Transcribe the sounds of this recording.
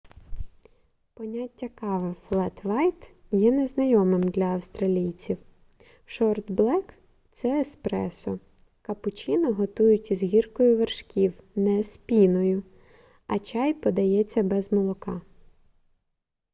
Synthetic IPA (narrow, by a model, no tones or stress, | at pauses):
pɔnʲatʲːɐkɑʋɪflˠɛt̪ʋɑjt̪jɛneznɐjɔmɪmd̪lʲɐːwst̪ɾɐlʲijt͡sʲiw | ʃɔrd̪blˠɛk | t̪sɛːspɾɛ̰sɔ | kɐpʊt͡ʃʲinɔɦɔt̪ujʊtʲizɦʲirkɔjʊʋerʃkʲiwnɛspʲinɔjʊ | ɐt͡ʃɑjpɔd̪ɐjɛt͡sʲːɐbɛzmɔlˠɔkɑ